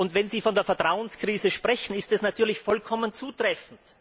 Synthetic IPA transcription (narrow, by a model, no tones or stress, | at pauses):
ʊntvɛnziːfɔndeːɐfɛɐtʁ̥aʊənskʁ̥iːzəʃpʁ̥ɛçn̩ɪstɛsnatʰyːɐlɪçfɔlkʰɔmənt͡suːtʁ̥ɛfn̩t